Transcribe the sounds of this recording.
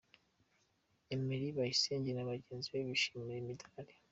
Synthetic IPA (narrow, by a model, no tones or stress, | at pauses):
emeɾiβajiseːɲɟenaβaɟe̞ːnziβeβiʃi̥miɾemidaɾe